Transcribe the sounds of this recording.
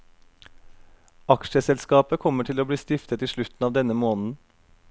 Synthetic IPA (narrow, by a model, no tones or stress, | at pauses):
ɑkʃəsɛlskɑːpəkʰɔməʈʰɪloːbliːst̪ɪft̪ət̪iːʃɭʉt̪n̩ɑːʋd̪ɛnəmoːnn̩